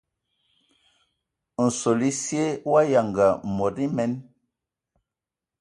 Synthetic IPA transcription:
n̩˨so˨li˦si˦e˦wa˦ja˨ŋɡa˨mɔ˨di˦mɛ˦n

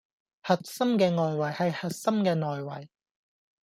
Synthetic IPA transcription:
hɐ˨t̚sɐ˥mkɛː˧ŋɔː˨jwɐ˨˩jhɐ˨jhɐ˨t̚sɐ˥mkɛː˧ŋɔː˨jwɐ̰˨˩j

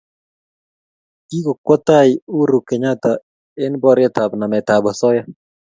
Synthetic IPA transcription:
ki˦ko˨kwɔ˦t̪a˦ɪ˨u˦ɾu˨kɛ˨ɲa˦t̪a˨ | e˦nbɔ˦ɾɪja˦t̪a˨bna˨mɛ˨ta˨bɔ˨sɔ˦ja˦

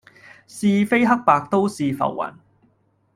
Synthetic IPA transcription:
siː˧fe˥jɦɐ˥k̚paː˧k̚t̪o˥wsiː˨˧fɐ̰˨˩wːɐ̰˨˩n

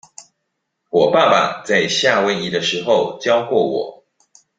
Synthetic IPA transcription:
wɔ˨˩pa˥˨pa̰˨˩t͡sa˥˧ɪɕja˥˨wə˧˥ni˧˥˩d̪ə˨ʂɻ̩˧˥xo˥˨ʊt͡ɕjɑ˥˦ʊkwɔ˥˩wɔ̰˨˩˦

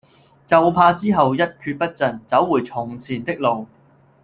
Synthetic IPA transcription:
t͡sɐ˨wpʰaː˧t͡siː˥ɦɐ˨wjɐ˥t̚kʰyː˧t̚pɐ˥t̚t͡sɐ˨˩nt͡sɐ˨˥wːuː˨˩jt͡sʰʊ˨˩ŋt͡sʰiː˨˩nt̪ɪ˥k̚lo˨w

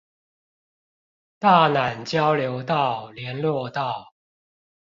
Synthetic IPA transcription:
t̪a˥˩na˨˩nt͡ɕjɑ˥˦ʊljo˨˧˦ʊt̪ɑ˥˨ʊljɛ˨˦nlwɔ˥˧t̪ɑ˥˨ʊ

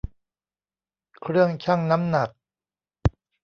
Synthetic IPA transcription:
kʰɾɯ˥˩əŋt͡ɕʰa˥˩ŋna˦˥mna˨˩k̚

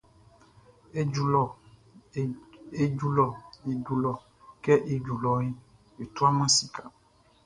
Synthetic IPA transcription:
e˦˨ | e˦d͡ʒu˦lɔ˨e˨d͡ʒu˨lɔ˨ | kɛ˦ʔe˨d͡ʒu˨lɔ˨ji˦ | je˨t̪u˦a˦mã˦si˨ka˨

